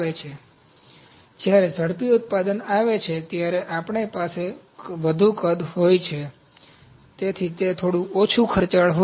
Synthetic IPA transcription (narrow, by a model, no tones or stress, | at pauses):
et͡ʃʰe | d͡ʒjaɾesəɽpiʊt̪̚pad̪ənaʋet͡ʃʰet̪jaɾeʔapɳepase | ʋəd̪ʱũkəd̪ʱɦojt͡ʃʰe | t̪et̪ʰit̪et̪ʰoɽũʔot͡ʃʰũkʰəɾt͡ʃaɭɦo